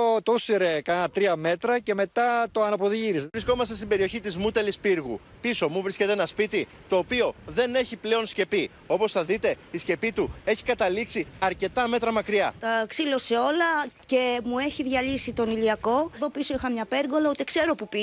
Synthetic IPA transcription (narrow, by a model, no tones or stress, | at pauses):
ot̪usiɾekɐnɐt̪ɾiɐme̞t̪ɾɐce̞me̞t̪ɐt̪o̞ɐnɐpo̞ðiʝiɾisɾisko̞mɐst̪est̪ibe̞ɾio̞çit̪izmut̪e̞lispiɾɣṵ | piso̞muvɾisce̞t̪eenɐspit̪i | t̪o̞ːpio̞ðe̞ne̞çiple̞o̞nsce̞pi | o̞po̞sθɐðit̪e̞isce̞pit̪ue̞çi̥kɐt̪ɐliksiɐɾce̞t̪ɐme̞t̪ɾɐmɐkɾiɐt̪ɐksilo̞seo̞lɐce̞mue̞çiðʝɐlisit̪o̞niliɐko̞ðo̞piso̞ixɐmɲɐpe̞ɾɣo̞lɐot̪ekse̞ɾo̞pupi